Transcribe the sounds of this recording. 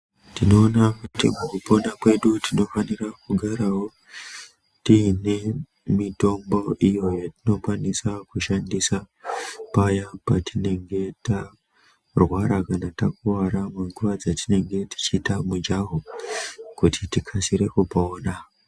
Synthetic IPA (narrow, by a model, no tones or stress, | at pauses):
tino̞ːnakutḭmukupo̞nakwe̞ɗutino̞fanirakuɡʱaɾawo̞ | tine | mito̞mbo̞ʔijo̞jatino̞kwanisakuʃandisa | pajapatʰine̞ŋɡe̞ta | rwaɾakanatakuwaɾameŋɡuʋad͡zatine̞ŋɡe̞ti̥t͡ʃiːtamud͡ʒaɦo | kutitikʰasiɾe̞kupoːna